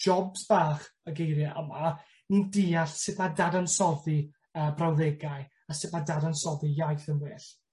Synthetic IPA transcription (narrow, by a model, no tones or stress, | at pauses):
d͡ʒɔbzb̥aːχəɡejɾjaʔəma | nidiːaɬsɨðmadadansɔði | əːbrawðɛɡaɨ | asɨðmadadansɔðijajθəmwɪɬ